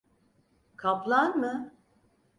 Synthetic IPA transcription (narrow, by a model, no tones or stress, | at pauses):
kʰaplˠanmɯ